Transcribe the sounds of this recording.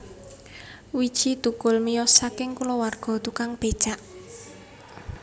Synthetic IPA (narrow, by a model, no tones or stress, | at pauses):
wid̥ʒ̥it̪ukʊlmijɔsakɪŋkulɔwarɡ̥ɔ̤t̪ukaŋb̥e̥t͡ʃaʔ